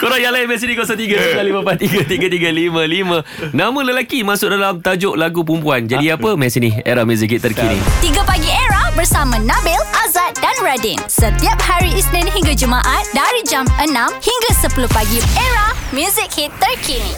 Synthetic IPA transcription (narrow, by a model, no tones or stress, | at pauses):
koɾajalainmɛ̃nsinikosat̪iɡasalimãpat̪iɡat̪iɡat̪iɡalimə̃limə̃ | nãmə̃ləlakimãsʊk̚dalamt̪ad͡ʒoʔlaɡup̬umpuand͡ʒadiapəmɛ̃nsiniḛɾahmjuzik̚hit̪ːərkinḭt̪iɡapaɡieɾahbərsamãnãbɛlʔazat̪̚danɹadinsət̪iap̚haɾiisnɛ̃nɦiŋɡad͡ʒumãʔat̪̚daɾid͡ʒamʔənãmhiŋɡasəpuluhpaɡieɾahmjuzik̚hit̪ːərkʰin